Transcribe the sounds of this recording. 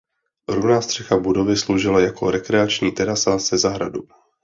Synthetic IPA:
ɾunaːst̪r̥ɛxabudo̞vɪslowʒɪlajako̞ɾɛkɾɛat͡ʃɲiːt̪ɛɾasasɛzaɦɾa̰du

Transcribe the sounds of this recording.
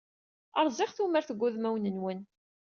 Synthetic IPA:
əɾˤzˤɪχθuməɾθəɡʷːuðmæwnənwən

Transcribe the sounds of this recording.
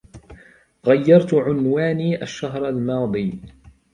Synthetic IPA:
ɣajːɑɾˤt̪ʊʕʊnwaːniːʔaʃːaɦɾˤalmɑːd̪ˤiː

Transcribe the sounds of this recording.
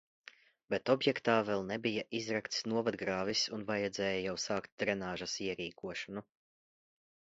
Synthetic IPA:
bet̪ɔbjɛkt̪aːvɛlˠnɛbijaʔizɾakt̪snuɔvad̪ɡɾaːvisunvajad̪zɛːjajawsaːkt̪̚d̪ɾɛnaːʒasiɛɾiːkʰuɔʃɐnu

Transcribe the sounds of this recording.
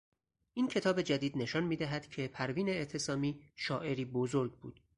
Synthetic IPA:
ʔiːncʰe̞t̪ʰɒːbe̞d͡ʒæd̪iːd̪ne̞ʃɒnmiːd̪æɦæd̪̥cʰe̞pʰæɾviːneːt̪ʰesɒːmiːʃɒːʔe̞ɾiːbozoɾɡ̚bṵːd̪̥

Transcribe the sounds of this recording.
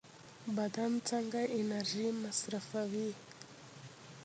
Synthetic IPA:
badant͡saŋɡaʔinarimasiɾafaβi

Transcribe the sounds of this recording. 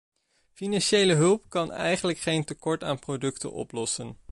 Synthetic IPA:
finɑnʃejləɦɵlˠpkɑnɛ̰jχənləkχejntəkɔɹta̰ːnprodɵktə̰nʔɔ̰plɔsən

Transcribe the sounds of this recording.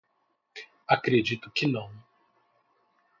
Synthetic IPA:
akɾed͡ʒit̪ʊkɪnɐ̃w̃

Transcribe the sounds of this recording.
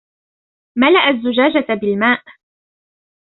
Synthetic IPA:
malaʔazːʊd͡ʒaːd͡ʒabɪlmaːʔ

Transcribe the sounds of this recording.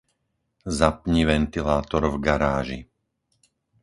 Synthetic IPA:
zapɲiʋɛnt̪ilaːt̪ɔɾvɡaɾaːʒi

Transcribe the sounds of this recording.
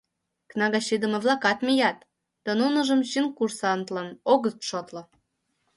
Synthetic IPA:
knɑɣɑɕid̪ə̆mĕβlɑkɑt̪mʲijɑt̪ː | d̪̥ɑnunə̆ʒə̆mɕinkursɑnt̪lɤ̆noɣəst̪ʃot̪lɤ̆

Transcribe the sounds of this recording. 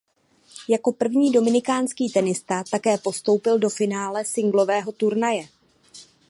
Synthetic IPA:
jako̞pr̩vɲiːdo̞mɪnɪkaːnskiːt̪ɛnɪst̪at̪akɛːpo̞st̪o̞wpɪldo̞fɪnaːlɛsɪŋɡlo̞vɛːɦo̞t̪uɾnajɛ

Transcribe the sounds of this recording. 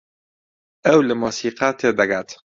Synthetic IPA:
ɛwlɨmuːsiːqɑːt̪ʰeːd̪ɐɡaːt̪

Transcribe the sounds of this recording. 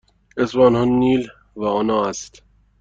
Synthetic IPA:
esbɒːnhonːiːl | væonɒːæst̪

